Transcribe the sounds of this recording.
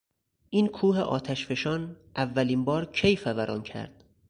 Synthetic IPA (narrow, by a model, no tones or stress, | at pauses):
ʔiːnkʰuːɦeʔɒ̰ːt̪ʰæʃfe̞ʃɒːnʔævːæliːmbɒːɾcʰejfævæɾʔɒ̰ːncʰæ̰ɾd̪̥